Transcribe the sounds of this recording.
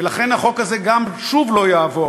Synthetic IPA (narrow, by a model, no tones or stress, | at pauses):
elaχe̞nhaχo̞khaze̞ɡamʃuvlo̞jaːvo̞